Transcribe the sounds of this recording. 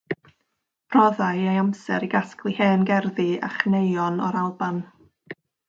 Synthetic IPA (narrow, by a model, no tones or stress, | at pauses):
b̥rɔðajejamsɛɾiɡasklˠiheːnɡɛrðia̰χnejɔnɔ̰ɾalˠban